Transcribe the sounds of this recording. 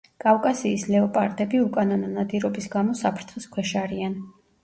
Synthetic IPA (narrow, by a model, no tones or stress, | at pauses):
kʼafkʼasiːslɛɔpʼaɾt̪ʼɛbiukʼanɔnɔnad̪iɾɔbisɡamɔsapʰɾt̪ʰχiskʰwɛʃaɾian